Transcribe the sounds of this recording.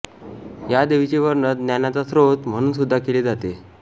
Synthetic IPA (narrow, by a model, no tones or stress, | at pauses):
jad̪eʋit͡ɕeʋəɾɳət̪njanat͡sasɾot̪m̤əɽ̃uːnsud̪ʱːakeled͡zat̪e